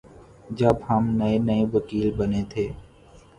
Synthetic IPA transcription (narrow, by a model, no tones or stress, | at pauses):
d͡ʒəbhəmnəenəeʋəkiːlbəneːt̪ʰeː